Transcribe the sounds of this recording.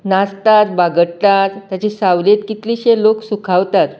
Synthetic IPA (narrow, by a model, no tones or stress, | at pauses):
nast̪at̪baɡəɽt̪at̪ːjat͡ɕisaʋlet̪kit̪liːɕeloksukʰawt̪at̪